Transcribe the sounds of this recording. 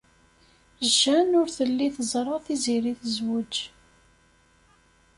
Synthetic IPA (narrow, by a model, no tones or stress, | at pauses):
ʒːænʊɾθəlːiθəzˤɾˤɑθiziɾiθəzwud͡ʒ